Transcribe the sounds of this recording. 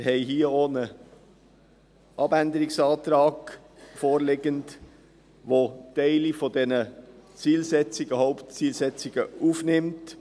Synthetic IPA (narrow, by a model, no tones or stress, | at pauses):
ɾhɛɪɦiːəoːnə | ʔɑbænd̪əɾɪksɑːt̪ɾɑːɡ̥ | foːɾlɪɡənd | ʋotɛɪlifɔdɛnət͡siːlsɛt͡sɪɡ̥əhoʊptt͡siːlsɛt͡sɪɡ̥əufnɪmt